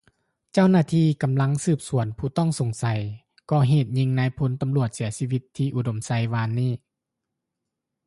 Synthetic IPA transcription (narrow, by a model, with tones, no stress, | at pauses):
t͡ɕa˥˩wnaː˧˩t̪ʰiː˧ka˨˦mla˧˥ŋsɯː˧˩p̚su˨˩˦ənpʰuː˧˩t̪ɔ˥˩˨ŋso˨˦ŋsa˨˦j | kɔː˧˩ɦeː˨˩t̪̚ɲi˧ŋna˧˥jpʰo˧˦nt̪a˧mlu˧˩ət̪̚si˩˦siː˧ʋi˧t̪ʰːiː˧ʔu˧˩do˨˦msa˧˦jʋaː˧nːiː˥˩